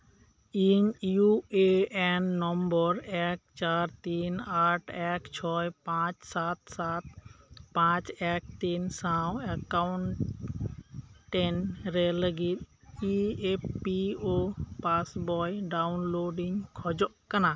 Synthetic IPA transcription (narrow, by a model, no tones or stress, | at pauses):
iɲjueɛnːɔmbɔɾɛk̚t͡ʃaɾt̪inaʈʰɛkt͡ʃʰɔjpãt͡ʃsat̪̚sat̪̚pãt͡ʃɛk̚t̪insawekawɳʈ | ʈːenɾeləɡit̪̚ | ieppiopasbɔjɖawnloɖiŋkʰɔd͡ʒɔʔkəna